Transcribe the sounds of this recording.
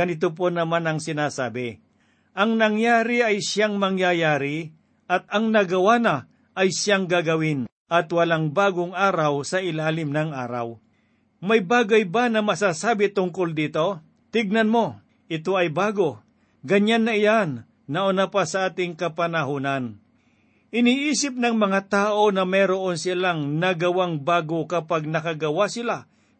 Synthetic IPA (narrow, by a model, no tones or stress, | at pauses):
ɐnɪt̪op̬onɐmanɐŋsɪnaːsaːbɪ | ʔɐŋnɐŋjaːɾɪɐjʃaŋmɐŋjajaːɾɪ | ʔɐt̪̚ɐŋnɐɡɐwana | ʔɐjʃaŋɡaɡɐwɪn | ʔɐt̪wɐlaŋbaːɡoŋʔaːɾawsɐʔɪlaːlɪmnɐŋʔaːɾa̰w | mɐjbaːɡɐjbanɐmɐsaːsaːbɪt̪ʊŋkold̪iːt̪o̞ | t̪ɪɡ̚nɐnmo̞ | ʔɪt̪o̞ɐjbaːɡo | ɡɐɲanːɐɪjanː | ɐʔʊnapasɐʔaːt̪ɪŋkɐpɐnɐɦuːnan | ʔɪniːʔiːsɪp̚nɐŋmɐŋat̪aːʔo̞nɐmɛɾoʔonsɪlaŋnɐɡɐwaŋbaːɡokɐpaɡ̚nɐkɐɡɐwasɪla